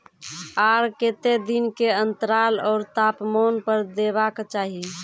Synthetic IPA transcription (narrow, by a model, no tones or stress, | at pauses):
aɾket̪ed̪inkeənt̪əɾalɔːɾt̪apmɔnpəɾd̪ebakt͡ʃaɦi